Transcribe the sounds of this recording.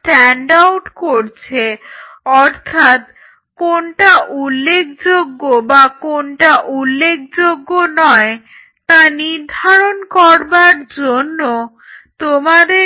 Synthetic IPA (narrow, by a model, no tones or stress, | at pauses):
ʈɛɳɖawʈkoɾt͡ɕʰeɔɾt̪ʰat̪ | konʈaʔulːekʰd͡ʑoɡːobakonʈaʔulːekʰd͡ʑoɡːonɔe | t̪aniɾd̪ʱaɾonkɔɾbaɾd͡ʑonːo | t̪omad̪e